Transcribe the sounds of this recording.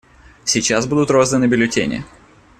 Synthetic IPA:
sʲit͡ɕazbud̪ʊt̪rozd̪vənɨbʲɪlʲʊtʲḛnʲɪ̰

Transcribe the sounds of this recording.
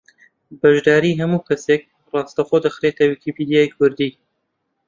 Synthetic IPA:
bɐʒd̪aːɾiːɦɐmuːkɐsek̚ | rɑːst̪ɐxoːd̪ɐxɾeːt̪ʰɐwikipiːd̪ijaːjkʰʊɾd̪iː

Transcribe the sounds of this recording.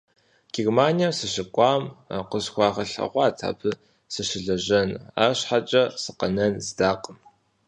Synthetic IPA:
ɡ̥irmaːnijamsɨɕɪkʷʼɑːmqəsxʷɑːʁɐɬɐ̰ʁʷɑːtʰa̰ːbʰɨ | sɨʃɪɮɐʑɐna̰ːrɕħat͡ʃʼɐsɨqɐnɐnzdaːqʼəm

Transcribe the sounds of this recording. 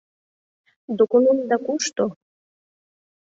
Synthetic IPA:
d̪okonumd̪ɑkuʃt̪o

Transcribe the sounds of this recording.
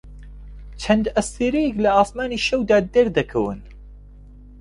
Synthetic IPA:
t͡ʃʰɐnd̪ɐst̪eːɾejɛklɐaːsmaːniʃɐwd̪aːd̪ɛɾd̪ɐkʰɐwɨ̰n

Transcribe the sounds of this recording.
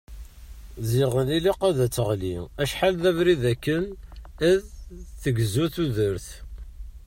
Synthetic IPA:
ziʁəniliqæðæt͡sːəʁliæʃħalðævɾiðækːənæðθəɡzuθuðəɾθ

